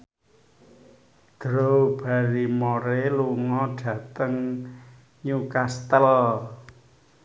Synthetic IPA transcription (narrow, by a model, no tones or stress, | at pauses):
d̪̥ɾowb̥a̤ɾimoɾeluŋɔɖ̥ä̤t̪əŋ | ɲukast̪əl